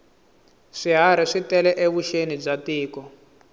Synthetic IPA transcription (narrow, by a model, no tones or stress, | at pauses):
ʂiɦaɾ̤iʂitɛlɛʔeβuʃenib͡ʐatiːkɔ